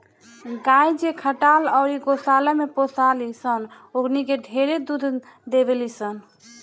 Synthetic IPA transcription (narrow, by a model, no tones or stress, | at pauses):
ɡajd͡ʒekʰəʈalɔʊɾiɡosaləmeposalisən | oknikeɖʱeɾed̪ud̪ʱ | d̪ebelisən